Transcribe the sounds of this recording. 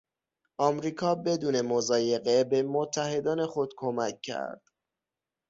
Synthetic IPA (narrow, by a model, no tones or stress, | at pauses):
ʔɒːmɾiːkʰɒːbe̞d̪uːne̞mozɒːje̞ɣe̞be̞mot̪ʰːæhe̞d̪ɒːne̞xo̞d̪̥kʰomæcʰːæ̰ɾd̪̥